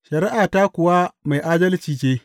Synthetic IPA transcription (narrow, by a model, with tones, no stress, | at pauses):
ʃɐ˨ɾɪ˦ʔaː˨taː˦kʷʊ˨wa˦ma˨jʔaː˦dɐ˦lt͡ʃiː˨t͡ʃeː˦